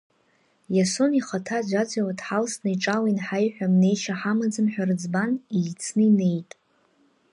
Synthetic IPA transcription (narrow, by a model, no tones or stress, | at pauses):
jaso̞niχatʰad͡ʒʷad͡ʒʷawadħalsnaiʈ͡ʂʼawainħajħʷᶣamne̞jʃaħamad͡zɨmħᶣarɨd͡zbanit͡sʰnɨine̞jtʼ